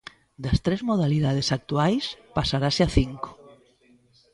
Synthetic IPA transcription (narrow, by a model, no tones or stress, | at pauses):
d̪ɐst̪ɾezmoð̞aliðað̞esak̚t̪uajspasaɾaseaθiŋko̥